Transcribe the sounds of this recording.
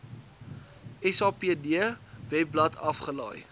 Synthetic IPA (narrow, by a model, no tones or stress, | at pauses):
ɛsɑːpiədiəvɛp̚blɐtʰɐfχəlɐj